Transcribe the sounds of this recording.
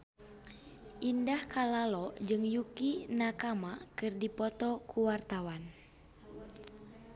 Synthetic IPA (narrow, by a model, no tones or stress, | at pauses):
ʔindahkalalɔd͡ʒɨŋjukinakamakɨrdipɔt̪ɔkʰuwart̪awan